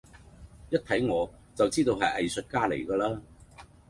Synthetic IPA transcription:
jɐ˥t̚t̪ʰɐ˨˥jŋɔː˨˧t͡sɐ˨wt͡siː˥t̪o˧wɦɐ˨jʔɐ˨jsɵ˨t̚kaː˥lḛ˨˩jkɐː˧laː˥

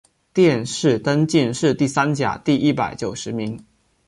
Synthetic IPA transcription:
t̪jɛ˥˧nʂɻ̩˥˩t̪ə˥nt͡ɕi˥˧nʂɻ̩˥˧t̪i˥˩sa˥nt͡ɕja̰˨˩t̪i˥˩i˥˩pa˨˩˦ɪt͡ɕjo˨˩ʊʂɻ̩˧˥mi˧˥ŋ

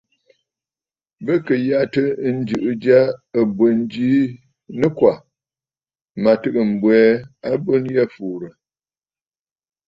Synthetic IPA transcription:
bə˦kə˨ja˦tə˦n̩˦d͡ʒɨ˨ʔɨ˦d͡ʒa˦ə˨bwə˨n˦d͡ʒi˦ | nɨ˦kwa˨ | ma˨tɨ˦kɨ˨m̩˨bwɛː˨˦a˦bo˦nja˦fuː˨ɾə˨

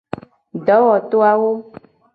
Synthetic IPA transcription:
ɖɔ˨˦wɔ˨t̪o˦a˦wo˦

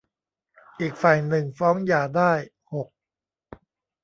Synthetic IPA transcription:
ʔiː˨˩k̚faː˨˩jnɯ˨˩ŋfɔː˦˥ŋjaː˨˩daː˥˩j | ho˨˩k̚

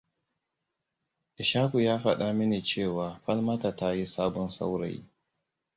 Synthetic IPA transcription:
ʔɪ˨ʃaː˦ku˨jaː˦ɸɐ˦ɗa˦mɪ˦neː˨t͡ʃeː˦˨waː˨ɸɐ˦lma˦ta˨ta˦ji˦saː˦bɔ˦nsa̰˦wɾa̰˨j̰

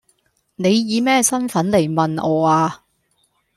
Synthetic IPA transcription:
ne˨˧jːiː˨˧mɛː˥sɐ˥nfɐ˨˥nle˨˩jmɐ˨nɔː˨˧aː˧

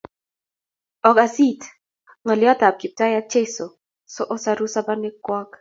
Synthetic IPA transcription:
ɔ˨ka˨si˦t | ŋɔ˨lɪ˦ɔ˦ta˨p̚ki˨p̚ta˦ja˦t͡ʃe˦so˨ | sɔ˦ʔɔ˦sa˦ɾu˦sa˦ba˦nɪ˦kwɔ˦k

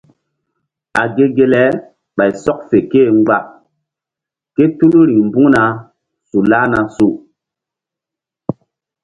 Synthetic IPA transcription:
a˨ɡe˦ɡe˦lɛ˨˦ | ɓa˨jsɔ˦k̚fe˨keː˦˨ŋ˦ɡ͡ba˦˨ʔ | ke˦tu˦lu˦ɾi˨ŋmbũ˦na˨˦ | su˨la˦na˨su˦

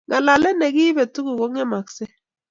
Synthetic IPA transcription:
ŋa˨la˨lɛ˦nɛ˨ɡɪ˦bɛ˨tu˦ɡu˨ko˦ŋɛ˦ma˨ksɛ˦

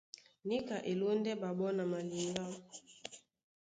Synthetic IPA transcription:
ni˦ka˨ʔe˨lo˦ndɛ˦ba˨ɓɔ˦na˨ma˨li˨ŋɡa˦

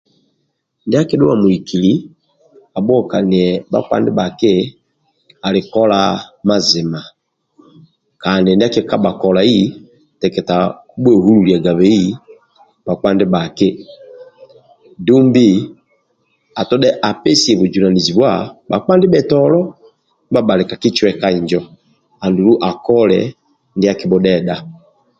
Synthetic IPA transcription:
nda˦ke˦ɗʊ˦wa˨mu˨i˨kʰi˨li˨˦ | a˨bɔ˦˨ka˨ni˨ɛ˨ba̰˦ka̰˦ndɪ˦ɓa˨kɪ˦ | a˨lɪ˨kɔ˦la˦ma˦zɪ˨ma˨ | ka˨ndɪ˨ndkɛ˦ka˦ɓa˨kɔ˨la˨i˦ | tɛ˨kɛ˨ta˨ku˦ɓɛ˦˨hu˦lu˨li˨a˨ɡa˨βɛ˨˦i˦ | ba˨k͡pa˦ndɛ˦ba˨ke˦ | du˦mbi˦ | a˨tɔ˦ɗɛ˦ʔa˨pɛ˦si˨ɛ˨βu˨d͡ʒu˨ɾa˨ni˨zi˨βwa˦˨ba˨k͡pa˦ndɛ˦ɓɛ˨tɔ˦lɔ˦ | ba˦ba˨lɛ˨ka˨ki˦t͡ʃwɛ˨ka˦i˨ɲd͡ʒɔ˦ | a˨ndu˨lu˦ʔa˨kɔ˦lɛ̰˨ | nde˦a˦ki˦bɔ˦ɗɛ˦da˦

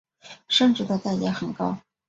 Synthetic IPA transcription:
ʂə˥˧nʈ͡ʂɻ̩˥˩d̪ə˧t̪a˥˩ɪlja˥xə˨˩nkɑ˥ʊ

